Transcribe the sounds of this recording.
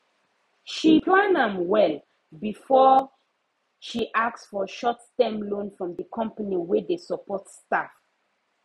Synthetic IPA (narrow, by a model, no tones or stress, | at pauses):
ʃiplãnãmwɛl | bifɔ | ʃiʔaktsfɔʃɔtstɛ̃mlõnfɹɔ̃mdəkʰɔ̃mpaniwɛdesəpɔtstaf